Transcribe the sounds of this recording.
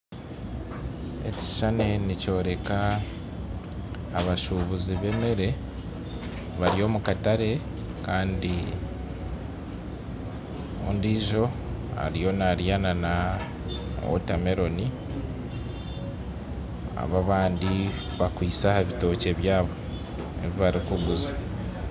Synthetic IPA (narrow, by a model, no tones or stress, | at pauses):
e̞̰ci̥ʃane̞nico̞ːɾe̞ka | βaʃuβuziβe̞meɾe̞ | βaɾio̞ːmukataɾe̞ | kaːndi | o̰ːndiːʒo̞a̰ɾijo̞naɾjanana | o̰tame̞ɾo̞ni | a̰βaβaːndi | βakwiːsahaβito̞ːce̞βjaːβo̞ | e̞̰βiβaɾikuɡuza